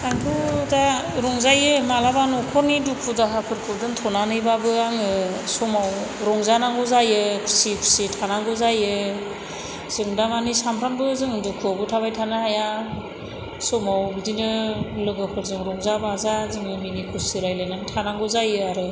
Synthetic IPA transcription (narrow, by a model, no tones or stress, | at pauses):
aŋpʰudaɾɔŋzajɯmalabanɔkʰɔɾnidukʰudaɦapʰɯɾkʰɯdɯntʰɔnanɯjbabɯaŋɯsɔmawɾɔŋzanaŋɡɔzajɯpʰi̥sipʰi̥sitʰanaŋɡɔzajɯ | z̥ɯŋdamanisampʰɾambɯzɯŋdukʰɔbɯtʰaβajtʰanahaja | sɔmawbidinɯlɯɡɯpʰɯɾzɯŋɾɔŋzabazazɯŋɯminikʰusiɾajlanaŋtʰanaŋɡɯzajɯaɾɯ